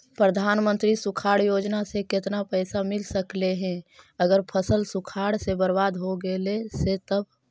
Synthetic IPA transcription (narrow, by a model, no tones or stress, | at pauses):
pɾəd̪ʱaːnmə̃nt̪ɾisukʰaːɽjoːd͡ʒnasekɪt̪napəɪsamɪlsəkleɦɛ̃əɡəɾpʰəsəlsukʰaɽsebəɾbaːd̪ɦoɡeleset̪əb